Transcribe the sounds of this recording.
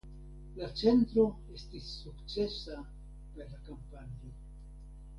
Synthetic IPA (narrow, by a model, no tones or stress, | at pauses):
lat͡ʃe̞ntɾo̞ | e̞stisːukt͡se̞sa | peɾlakampanio